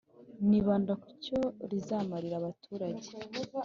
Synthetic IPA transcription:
niβaːndakuɾco̞ɾizaːmaɾiɾaβatʰuːɾaɟe

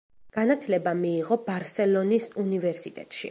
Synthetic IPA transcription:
ɡ̥anat̪ʰlɛbamiːʁɔbaɾsɛlˠɔnisunivɛɾsit̪ʼɛ̰t̪ʼʃḭ

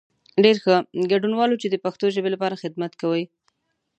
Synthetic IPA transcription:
ɖeɾxəɡaɖunwɑlot͡ʃed̪əpaxt̪oʒəbelapɑɾaxɪd̪mat̪kawəj

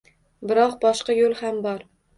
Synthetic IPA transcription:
bɪɾɒqbɒʃqɑjolˠhambɒɾ

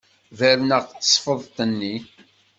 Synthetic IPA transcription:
væɾnəʁt͡sːə̥sˤfəðˤt̪ənːi

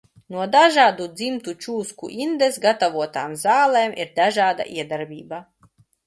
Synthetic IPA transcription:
nuɔd̪aʒaːd̪ud̪zimt̪ut͡ʃuːskṵʔind̪esɡat̪avuɔt̪aːmzaːlˠɛːmʔiɾd̪aʒaːd̪a̰ʔiɛd̪aɾbʲiːba

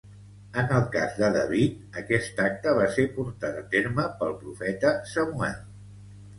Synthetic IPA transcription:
ənəlˠka̰zd̪əðə̰βit̪̚əkɛst̪ak̚t̪əβasepuɾt̪at̪ət̪eɾməpəlˠpɾufɛt̪əsəmuɛ̰l

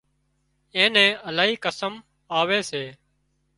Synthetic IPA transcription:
ẽːnɛ̃ːəlaːɦiːkəsəm | aːʋeːseː

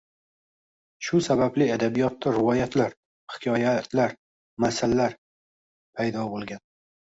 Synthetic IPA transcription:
ʃʊsabablɪad̪abijɒt̪ːaɾɪvɒjat̪ʰlaɾ | hɪ̥kʲʰɒjat̪ʰlaɾ | masalːaɾ | pʰajd̪ɒbolˠɡʲan

